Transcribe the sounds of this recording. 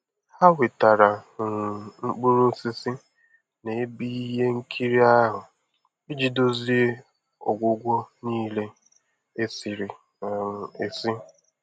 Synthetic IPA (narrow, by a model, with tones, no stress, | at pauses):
ha˦wɪ˨ta˨ɾa˨ | ŋ͡m̩˦k͡pu˦ɾʊ˦si˦sɪ˦ | ne˨e˦bi˦ɦe˦ŋ̩˦kʰi˦ɾi˦a˦ɦʊ˨ | ɪ˦d͡ʒi˦do˦zi˦e˦ | ɔ̰˨ɡʷʊ˦ɡʷɔ˦niː˦le˦ | e˦si˨ɾi˨ | a˨e˨si˦